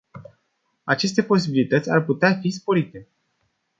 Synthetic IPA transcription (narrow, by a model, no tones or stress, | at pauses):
at͡ʃe̞s̬t̪e̞po̞s̬ibilit̪ət̪sʲarput̪eafispo̞ɾit̪e̞